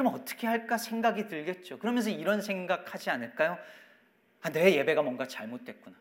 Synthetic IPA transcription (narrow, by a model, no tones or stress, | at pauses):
kɯɾʌmnʌt͈ʌ̥kʰe̞ɦaɭk͈asʰe̞ŋɡaɡitɯɭɡe̞t̚t͡ɕ͈okɯɾʌmjʌnsʰʌiɾʌnsʰe̞ŋɡakʰhad͡ʑianɯɭk͈ajo | ane̞je̞be̞ɡamwʌŋɡat͡ɕaɭmot̚t͈we̞t̚k͈una